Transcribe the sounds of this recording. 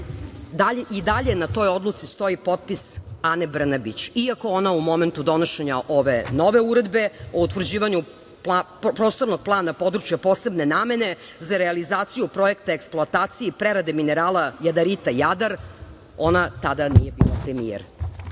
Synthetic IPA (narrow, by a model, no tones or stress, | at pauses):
d̪aʔid̪aʎe̞nat̪o̞jo̞d̪lˠut̪sist̪o̞ipo̞t̪̚pisane̞br̩nabit͡ɕiako̞onaumo̞me̞nt̪ud̪o̞noʃeɲaʔo̞ʋe̞̰no̞ʋe̞uɾe̞d̪be̞out̪vr̩d͡ʑiːʋaɲu | pla | pɾoːst̪o̞ɾnoɡ̚plˠaːnapo̞d̪ɾut͡ʃjapo̞ːse̞bne̞naːme̞ne̞ | zaɾealizaːt̪sijupɾo̞e̞kt̪aeksplˠoat̪aːt̪sijepɾeɾad̪emineɾaːlajad̪aɾit̪ajad̪aɾ | o̞nat̪ad̪anijebḭlopɾemijḛɾ